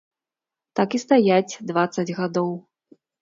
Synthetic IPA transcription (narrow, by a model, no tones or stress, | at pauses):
t̪akist̪ajat͡sʲd̪vat̪sɐd͡zʲɣad̪ɔw